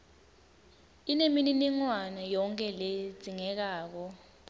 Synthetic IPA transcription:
inemininiŋwanajɔŋkʼɛled͡z̥ʱiŋɛk̬aːk̬ɔ

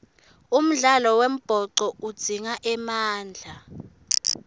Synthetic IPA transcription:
um̩ɮalɔwem̩b̥ʱɔǀɔud̥z̥ʱiŋaʔɛmaːnd͡ɮʱa

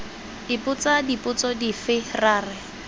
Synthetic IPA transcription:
dipʼʊt͡sadipʼʊt͡sɔdifɪraːrɪ

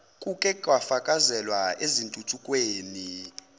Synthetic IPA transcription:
kʼukʼɛkʼwafakʼazɛlwaezintʼutʰukʼweːni

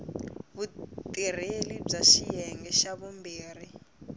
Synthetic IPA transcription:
βutʼir̤elib͡ʐaʃijɛŋɡɛʃaβumbiːr̤i

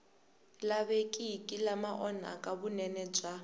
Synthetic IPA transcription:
laβekʼikʼilamaʔɔna̰kʼabʊnɛnɛt͡ʃʼa

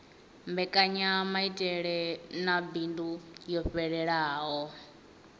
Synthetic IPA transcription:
mbɛkʼaɲamaitʼɛɺɛnabindujɔɸɛɺɛɺaːɦɔ

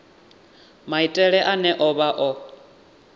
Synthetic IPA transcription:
maitʼɛɺɛʔanɛʔɔβaʔɔ

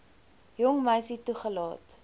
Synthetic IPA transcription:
jɔŋməjsituχəlɑːt

